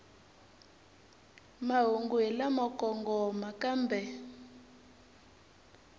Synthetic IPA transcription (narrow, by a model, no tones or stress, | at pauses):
maɦuŋɡwɛlamɔkɔŋɡɔmakambɛ